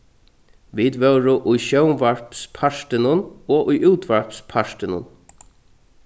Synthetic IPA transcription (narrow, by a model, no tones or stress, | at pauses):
ʋid̪ʋœwɾʊʔʊjʃœwmʋaɹpspʰaʂt̪ɪnʊnɔːʔʊjʔuːt̪ʋaɹpspʰaʃt̪ɪnʊ̰n